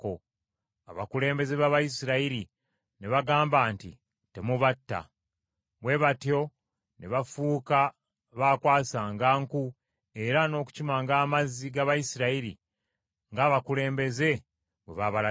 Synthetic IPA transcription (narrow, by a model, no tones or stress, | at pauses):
ko | aβakule̞ːmbe̞zeβaβajisiɾaiɾi | neβaɡaːmbaːntḭ | te̞muβatːa̰ | βwe̞βatjo̞ | neβafuːka | βaːkwaːsaːŋɡaːŋku | e̞ɾano̞ːku̥cimaŋɡaːmaziɡaβajisiɾaiɾḭ | ŋɡaːβakule̞ːmbe̞ze̞ | βwe̞̰βaβala